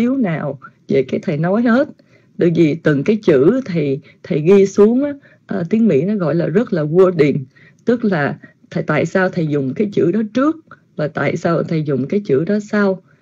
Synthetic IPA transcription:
i˨˦əwnaː˨˩wve˧˩kaː˨˦jt̪ʰə˨˩jnɔ˨˦jhe˦˥t̚ | ɗə̰˧˨jvi˨˩t̪ɨ˨˩ŋkaː˨˦jt͡ɕɨ̰˧˥t̪ʰi˨˩ | t̪ʰə˨˩jɣi˧su˨˦əŋʔaː˨˦ | ʔt̪i˨˦əŋmḭ˧˥nɔ˨˦ɣɔ̰˧˨jlaː˨˩zə˦˥t̚laː˨˩vu˧əɗi˨˩n | t̪ɨ˦˥k̚laː˨˩ | t̪ʰə˨˩jt̪a̰ː˧˨jsaː˧wt̪ʰə˨˩jzʊ˨˩ŋ͡mkaː˨˦jt͡ɕɨ̰˧˥ɗɔ˨˦t͡ɕɨ˦˥ək̚ | vaː˨˩t̪a̰ː˧˨jsaː˧wt̪ʰə˨˩jzʊ˨˩ŋ͡mkaː˨˦jt͡ɕɨ̰˧˥ɗɔ˨˦sa˧w

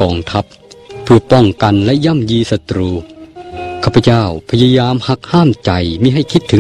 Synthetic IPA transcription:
kɔː˧ŋt̪ʰa˦˥p̚ʰː | ɯ˧˩ɐpɔ˧˥˩ŋka˨nlɛ˦˥jaː˧˥˨mjiː˧sa˧t̪ɾuː˧ | kʰaː˧˩pʰːa˧t͡ɕa˥˩wpʰa˧ja˧jaː˧mha˧˥k̚haː˥˩mt͡ɕa˨˩jmiː˧˥˩ɦa˥˩jkʰi˦˥t̪ʰːɯ˩˦

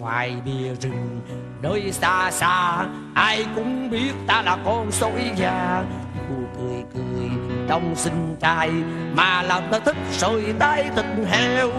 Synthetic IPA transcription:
ŋwa̰ː˨˩jɓi˨˩əzɨ˨˩ŋ | ɗəː˨˦jsaː˧saː˧ | ʔaː˧jkʊ̰˧˥ŋ͡mɓi˦˥ət̚t̪aː˧laː˨˩kɔ˧nso˧˦jzaː˧˩ku˨˩əkɨ˨˩əjkɨ˨˩əjɗɔ˧wŋ͡msï˧ŋ̟t͡ɕaː˧˩jmaː˨˩laː˨˩mt̪aː˧t̪ʰi˦˥k̚səː˧˨jɗ̪aː˧jt̪i˨˩ŋɦe˧w

